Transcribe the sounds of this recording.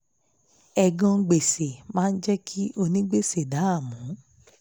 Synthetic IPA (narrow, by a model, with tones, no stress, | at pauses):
ɛ˨ɡɔ̃˧ɡ͡be˨se˨mãː˦n̩˦d͡ʒɛ˦kʰi˦o˧nĩ˦ɡ͡be˦˨se˨da˨˦a˦˨mũ˨˦